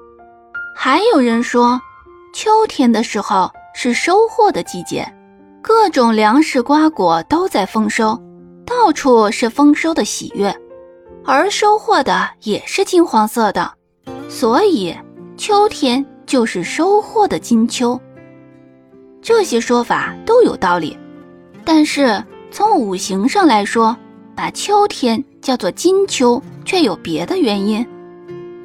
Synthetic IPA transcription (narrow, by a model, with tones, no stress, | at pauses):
xa˧˥ɪjo˨˩ʊɻə˧˥nʂwɔ˥ | t͡ɕʰjo˥ʊt̪ʰjɛ˥nd̪ə˨ʂɻ̩˧˥xo˧ʊʂɻ̩˥˩ʂo˥ʊxwɔ˥˩d̪ə˩t͡ɕi˥˩t͡ɕjɛ̰˥˩n | kɤ˥˩ʈ͡ʂʊ˨˩ŋljɑ˧˥ŋʂɻ̩˥˩kwa˥kwɔ˨˩˦t̪o˥ʊt͡sa˥˩ɪfɤ˥ŋʂo˥ʊ | t̪ɑ˥˩ʊʈ͡ʂʰu˥˩ʂɻ̩˥˩fɤ˥ŋʂʊd̪ə˨˩ɕḭ˨˩ɥɛ˥˩n | ə˞˧˥ʂo˥ʊxwɔ˥˩d̪ə˩jɛ˨˩ʂɻ̩˥˩t͡ɕi˥nxwɑ˧˥ŋsɤ˥˩d̪ə̰˩ | swɔ˧˥i˨˩˦t͡ɕʰjo˥ʊt̪ʰjɛ˥nt͡ɕjo˥˧ʊʂɻ̩˥˩ʂo˥ʊxwɔ˥˩d̪ə˩t͡ɕi˥nt͡ɕʰjo˥ʊ | ʈ͡ʂɤ˥˩ɕjɛ˥ʂwɔ˥fa̰˨˩˦t̪o˥ʊjo˨˩ʊt̪ɑ˥˩ʊlḭ˨˩˦ | t̪a˥˧nʂɻ̩˥˩t͡sʰʊ˧˥ŋu˨˩ɕi˧˥ŋʂɑ˥˩ŋla˧˥ɪʂwɔ˥ | pa˨˩t͡ɕʰjo˥ʊt̪ʰjɛ˥nt͡ɕjɑ˥˧ʊt͡swɔ˥˩t͡ɕi˥nt͡ɕʰjo˥ʊt͡ɕʰɥɛ˥˩jo˨˩ʊpjɛ˧˥d̪ə˧ɥɛ˧˥ni˥n